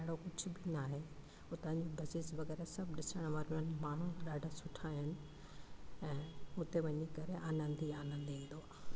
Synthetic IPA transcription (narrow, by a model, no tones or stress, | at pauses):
ɐɦɪɽokʊd͡ʑʱʊbɪnaːɦe | ʊt̪ãɲd͡ʑibɐsɪsʋɐɣɛːɾasɐbɗɪsəɽ̃ʋaːɾʊənɪ̆maːɳ̤uɗaːɖʱasʊʈʰaːɦɪnɪ̆ | ɛ̃ːʊt̪eʋɐɲikɐɾeʔaːnə̃nd̪iaːnə̃n̆d̪iĩːnd̪oaː